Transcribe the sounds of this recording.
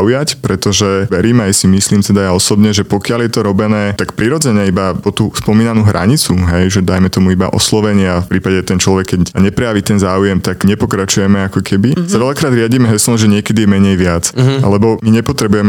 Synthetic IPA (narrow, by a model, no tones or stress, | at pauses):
ujacpɾɛt̪ɔʒɛʋɛɾiːmajsimisliːmt̪ɛd̪ajaɔsɔbɲɛʒɛpɔkɪaljɛt̪ɔɾɔbɛnɛːt̪akpɾiɾɔd͡zɛɲɛibapɔt̪uspɔmiːnanuːɦɾʔa̰ɲit͡suɦɛjʒɛd̪ajmɛt̪ɔmuiba̰ʔɔ̰slɔʋɛɲɪafpɾiːpaɟɛt̪ɛnt͡ʃlɔʋɛkːɛɟɲɛpɾɛjaʋit̪ɛnzaːujɛmt̪aɡɲɛpɔkɾat͡ʃujɛmɛakɔkʰɛbisaʋɛʎakɾaːd̪ɾɪaɟimɛɦɛslɔʒɛɲɪɛkɛd̪ijɛmɛɲɛjʋɪat͡sa̰lɛbɔmiɲɛpɔt̪ɾɛbujɛmɛ